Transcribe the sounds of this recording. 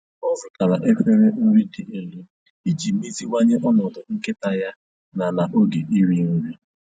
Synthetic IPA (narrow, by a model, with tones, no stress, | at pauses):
ɔ˦vʊ˨ka˨ɾa˨ʔe˦kʷe˦ɾe˦n̩˦ɾi˦di˨e˨li˦ | i˦d͡ʒi˨mi˦zi˦wa˦ɲe˦ʔɔ˦nɔ˨dʊ˨ŋ̩˦ke˦ta˨ja˦ | na˨na˨ʔo˦ɡe˨ʔi˦ɾi˨n̩˦ɾi˦